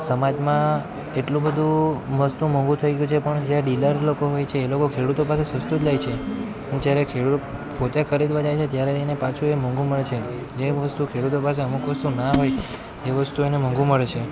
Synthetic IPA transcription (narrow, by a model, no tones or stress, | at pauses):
səmad͡ʒmã | eʈlũbəd̪ʱũməst̪ũmə̃ŋɡũt̪ʰəiɡjut͡ʃʰepəɳd͡ʒjaɖiləɾlokoɦojt͡ʃʰeːlokokʰeɽut̪opasesəst̪ut̪lajt͡ʃʰe | əned͡ʒjaɾekʰeɽupot̪ekʰəɾid̪ʋad͡ʒajt͡ʃʰet̪jaɾeenepat͡ʃʰuemə̃ŋɡʱũməɭet͡ʃʰe | d͡ʒeʋəst̪ukʰeɽut̪opaseəmukʋəst̪unaɦoj | eʋəst̪uenemə̃ŋɡũməɭet͡ʃʰe